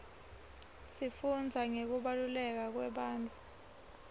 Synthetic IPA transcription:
sifund͡zʱaŋek̬uɓalulɛk̬ak̬wɛɓaːntʼu

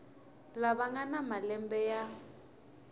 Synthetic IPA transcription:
laβaŋanamalɛmbɛja

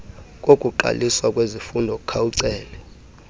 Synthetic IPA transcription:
kʼokʼuǃa̰liswakʼwezifundʱɔk̬ʼu̥kʰawuǀɛːlɛ

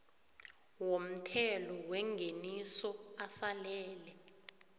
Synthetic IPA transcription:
wom̩tʰɛlɔwɛŋɡʱenisɔasalɛːlɛ

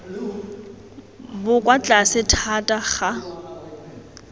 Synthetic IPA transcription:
bʊkʼwat͡ɬʼasɪtʰatʼaχa

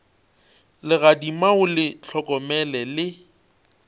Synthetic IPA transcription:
lɪɣadimaʊlɪt͡ɬʰɔkʼɔmɛlɛlɪ

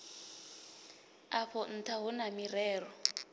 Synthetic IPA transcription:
aɸʰɔn̩tʰaɦunamirɛːrɔ

